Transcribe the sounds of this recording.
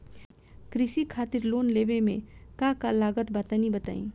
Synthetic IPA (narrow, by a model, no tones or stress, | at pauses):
kɾɪsikʰaːt̪ɪɾloːnleːbemẽkakalaːɡət̪baːt̪anibət̪a̰ːḭ̃ː